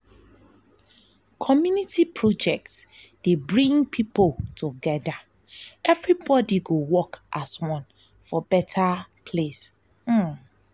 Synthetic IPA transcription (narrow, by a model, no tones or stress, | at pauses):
kʰɔmjunitipʰɹɔd͡ʒɛk̚td̥ebɹĩŋpʰipoltʰuɡɛda | ɛvɹibɔdiɡowɔkʔaswɔ̃n | fɔbɛtʰapʰles̩